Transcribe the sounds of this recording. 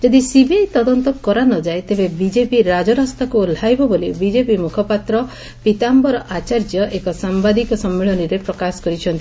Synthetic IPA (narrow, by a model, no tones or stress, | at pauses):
d͡ʒɔd̪isibiajt̪ɔd̪ɔnt̪ɔkɔɾanɔd͡ʒajt̪ebebid͡ʒepiɾad͡ʒɔɾɔst̪akul̤ajbɔbolibid͡ʒepimukʰɔpat̪ɾɔ | pit̪ambɔɾɔʔat͡ʃaɾd͡ʒjɔʔekɔsambad̪ikɔsɔmːiɭɔniɾepɾɔkasɔ̥kɔɾit͡ʃʰɔnt̪i